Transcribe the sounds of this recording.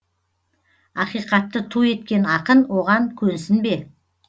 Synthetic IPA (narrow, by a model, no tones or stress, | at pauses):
ɑqijqɑt̪ːət̪ʰue̞t̪kʲe̞nɑqənwo̞ʁɑŋkʲʰɵnsɪnbe̞